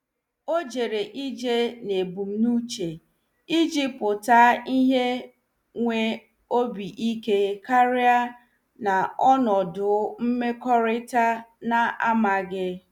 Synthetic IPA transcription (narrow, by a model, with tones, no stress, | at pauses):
o˦d͡ʒe˨ɾe˨ʔi˦d͡ʒe˦ne˨bu˨m̩˦nu˦t͡ʃe˨ | i˦d͡ʒi˦pʊ˨taː˦i˦ɦe˦ | ŋʷe˦ | o˦bi˨ʔi˦ke˦ka˦ɾɪ˦a˦ | na˨ɔ˦nɔ˨dʊ˨˦m̩˦me˦kɔ˦ɾɪ˦ta˦na˨a˦ma˨ɡɪ˦